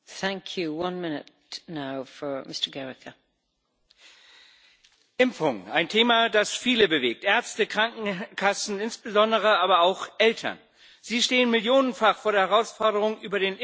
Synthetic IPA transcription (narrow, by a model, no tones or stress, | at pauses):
θæ̃ŋkʰjʉwʌ̃nmɪnɪ̰t | naʊfə˞mɪstə˞ɡɛɹɪkʰə | ʔɪmfʊŋaɪntʰeːmadasfiːləbəveːk̚tʔɛɐt͡stəkʁ̥aŋkŋ̩kʰasn̩ɪnsb̥əzɔndəʁ̞əaːbɐaʊxʔɛltʰɐ̰n | ziːʃteːənmɪljoːnənfaχfoːɐɾeɐhɛɐʁaʊsfɔɐɾəʁʊŋʔyːbɐɾeːnɪ